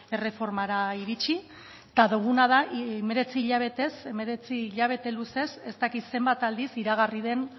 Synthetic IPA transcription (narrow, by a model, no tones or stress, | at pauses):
e̞re̞fo̞ɾmaɾaiɾit͡ʃi | t̪aðuɣ̞unað̞aʔeme̞ɾe̞t͡siːʎaβ̞e̞t̪e̞se̞me̞ɾe̞t͡siːʎaβ̞e̞t̪e̞luse̞se̞st̪akit̪se̞mbat̪ald̪isiɾaɣ̞arið̞e̞n